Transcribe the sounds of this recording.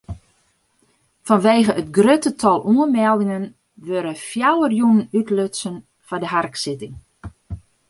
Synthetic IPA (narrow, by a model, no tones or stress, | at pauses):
fɔnʋeːɣəətɡrøtətʰɔlˠʔuəmɛlˠdɪŋən | ʋøɾəfjawərjunənytløtsən | fadəɦarksɪtɪŋ